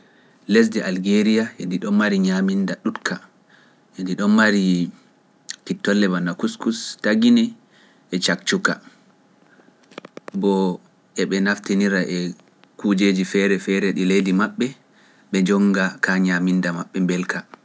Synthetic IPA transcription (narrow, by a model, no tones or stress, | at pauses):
les̬dɛʔalɡeɾijaɛndiɗɔnmaɾiɲamindaɗutkʰa | ɛndiɗɔnmaɾi | pitːɔlːɛbanakuskustaɡinɛː | t͡ʃak̚t͡ʃuka | bɔ | ɛɓɛnaftiniɾaʔɛ | kud͡ʒed͡ʒifɛɾɛfɛɾɛɗilejdimaɓːɛ | ɓɛd͡ʒɔŋɡakaɲamindamaɓːɛmbɛlka